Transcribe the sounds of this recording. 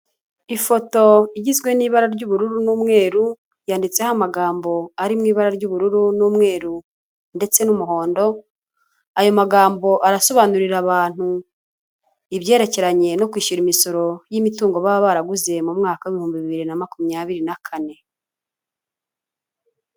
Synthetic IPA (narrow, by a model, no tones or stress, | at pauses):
ifo̞to̞iɟizɡwe̞niːβaɾaɾɟuβuɾuɾunuːmŋe̞ːɾu | jaːndit͡sehamaɡaːmbo̞aɾimŋiːβaɾaɾɟuβuɾuɾunuːmŋe̞ːɾu | nde̞t͡se̞numuɦo̞ːndo̞ | ajo̞maɡaːmbo̞ʔaɾaso̞βanuɾiɾaβaːn̥hu | iβje̞ːɾe̞ce̞ɾaɲe̞no̞kwiːʃuɾimiso̞ɾo̞jimituːŋɡo̞βaβaɾaɡuze̞mumŋaːkaweβihuːmbiβiβiɾinamakumɲaβiɾinakʰane̞